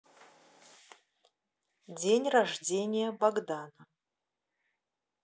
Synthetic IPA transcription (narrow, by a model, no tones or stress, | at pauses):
dʲenʲraʐdʲenʲɪjɛbaɡd̪anɐ